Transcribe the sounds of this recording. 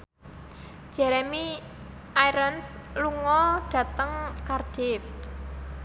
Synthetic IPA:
ʒ̥ɛ̤ɾɛmi | ʔaiɾənsluŋɔɖ̥ä̤t̪əŋkard̥ɪf

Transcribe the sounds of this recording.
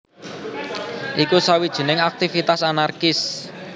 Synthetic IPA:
ʔikusawid̥ʒ̥ə̤nɪŋak̚t̪ifit̪asanarkɪs

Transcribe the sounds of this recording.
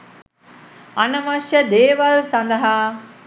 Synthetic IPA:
anɐʋaʃjəd̪eːʋalsɐnd̪ɐɦa

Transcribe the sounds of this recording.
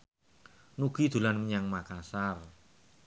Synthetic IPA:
nuɡ̥i̤d̪̥ṳlanməɲaŋmakasar

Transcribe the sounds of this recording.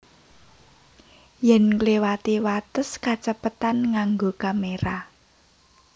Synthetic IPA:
jɛnkliwat̪iwat̪əskat͡ʃəpət̪anŋaŋɡokameɾa

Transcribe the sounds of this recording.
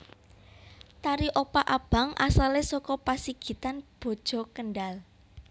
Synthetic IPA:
t̪aɾiʔopaʔab̥a̤ŋʔa̰salesɔkɔpasiɡ̥i̤t̪anb̥ɔ̤d̥ʒ̥ɔ̤kənɖal

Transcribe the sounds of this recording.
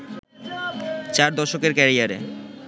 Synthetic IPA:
t͡ɕaɾd̪ɔʃokeɾkɛɾiaɾḛ

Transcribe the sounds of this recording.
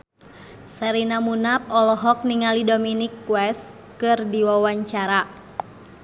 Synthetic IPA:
saɾinamunap̚ɔlɔɦɔk̚niŋalidominikːwɛs | kɨrdiwawaɲt͡ʃaɾa

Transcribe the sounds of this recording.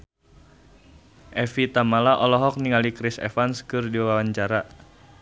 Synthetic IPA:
ʔɛfit̪amalaʔɔlɔɦɔk̚niŋalikɾisɛ̰fanskɨrdiwawawaɲt͡ʃaɾa

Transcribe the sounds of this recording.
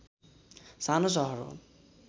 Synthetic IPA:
sanos̬ɔɦɔɾo̰

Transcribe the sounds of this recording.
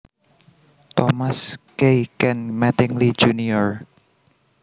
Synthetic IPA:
t̪ɔmaskejkɛnmɛt̪ɪŋli̥d͡ʒuniɔɹ

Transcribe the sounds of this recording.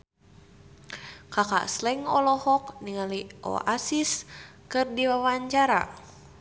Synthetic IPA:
kaka̰ʔslɛŋɔlɔhɔk̚niŋaliʔɔ̰ʔasiskɨrdiwawaɲt͡ʃaɾa̰

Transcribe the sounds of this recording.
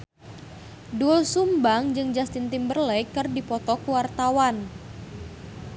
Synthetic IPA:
dulsumbaŋd͡ʒɨŋd͡ʒast̪int̪imbərlɛjkɨrdipɔt̪ɔkəwart̪awan

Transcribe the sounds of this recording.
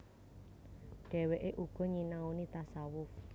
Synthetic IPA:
ɖ̥ɛ̤weʔeʔuɡ̥ɔ̤ɲinaunit̪asawʊf

